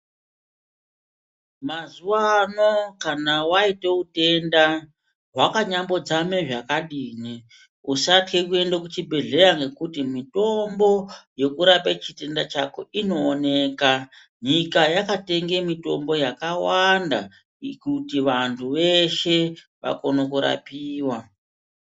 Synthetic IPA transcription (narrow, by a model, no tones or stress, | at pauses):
mazuwano̞kanawaite̞ute̞nda | ɦwakaɲambo̞d͡zameʐakaɗiːni | usatke̞kue̞ndekut͡ʃibʱe̞ɮe̞ɾaŋɡe̞kutimito̞mbo̞je̞kuɾapet͡ʃite̞ndat͡ʃako̞̰ʔino̞ːne̞ːka | ɲikajakate̞ŋɡe̞mito̞̰mbo̞jakawanda̰ | kutiʋantʰuʋe̞ʃe̞ | ʋa̰ko̞nokuɾa̰piːwa